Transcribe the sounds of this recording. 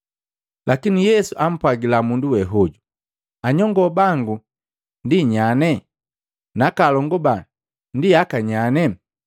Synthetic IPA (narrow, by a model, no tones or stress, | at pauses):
lʔakinijɛsuʔam̩pwaɡilamunduwɛɦɔɟu | aɲɔŋɡɔbaŋɡu | ndiɲanɛ | nakalɔŋɡɔba | ndiakaɲanɛ